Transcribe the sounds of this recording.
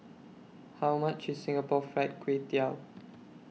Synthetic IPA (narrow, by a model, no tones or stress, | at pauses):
hawmat͡ʃissɪ̃ŋapɔfɹat̚kwetial